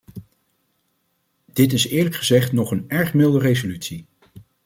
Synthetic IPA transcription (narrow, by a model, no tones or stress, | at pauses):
d̥ɪtɪsɪːɹləkχəzɛχtnɔχənɛɹχmɪlˠdərejzolytsi